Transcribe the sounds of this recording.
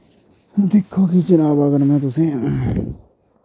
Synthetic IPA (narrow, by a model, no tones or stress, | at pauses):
t̪ikʰːokit͡ʃinãβakanãmẽt̪usẽʔẽ